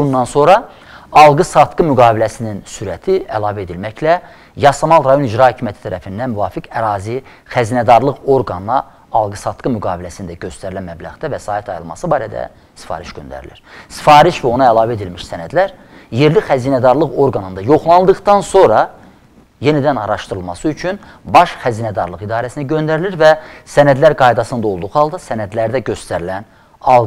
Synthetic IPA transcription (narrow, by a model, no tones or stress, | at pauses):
unːɑnso̞ɾɑ | ɑlˠɡɯsɑt̪ɡɯmyɡɑːbilæsininsyɾæt̪ʰiælˠɑːvæed̪ilmæçlæ | jɑsɑmɑlˠɾɑjo̞nid͡ʒɾɑhøcʰimjæt̪ʰi̥t̪ʰæɾæfind̪ænmyvɑːfikʰæɾɑːzi | χæziːnæd̪ɑɾlˠɯɣo̞ɾɡɑnnɑ | ɑlˠɡɯsɑt̪ɡɯmyɡɑːvilæsind̪æɟø̞st̪ʰæɾilænmæblæɣd̪ævæsɑːit̪ʰɑjɯlˠmɑ̰sɯbɑːɾæd̪æ̰ | si̥fɑ̰ːɾiʃɟønd̪æ̰ɾḭlḭɾ̥si̥fɑːɾiʃvæo̞nɑælˠɑːvæed̪ilmiʃsænæd̪læɾ | je̞ɾlixæziːnæd̪ɑɾlˠɯɣo̞ɾɡɑnɯnd̪ɑjo̞χlˠɑnˠd̪ɯχt̪ɑnso̞ɾɑ | je̞nid̪ænɑɾɑʃt̪ɯɾɯlˠmɑsɯyt͡ʃʰyn | bɑʃχæziːnæd̪ɑɾlˠɯɣid̪ɑːɾæsinæɟø̞nd̪æɾiliɾvæsænæd̪læɾɡɑjd̪ɑsɯnd̪ɑo̞lˠd̪uʁhɑlˠd̪ɑsænæd̪læɾd̪æɟø̞st̪æɾilæn | ɑlˠ